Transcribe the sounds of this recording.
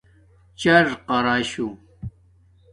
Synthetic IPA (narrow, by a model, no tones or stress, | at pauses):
t͡ɕɐɾqɑɾaːɕu